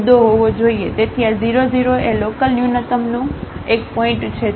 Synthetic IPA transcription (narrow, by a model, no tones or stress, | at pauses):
d̪oɦoʋod͡ʒoiet̪et̪ʰiaziɾoziɾoʔelokəlnjunət̪əmnũekpɔɪ̃ɳʈt͡ʃʰe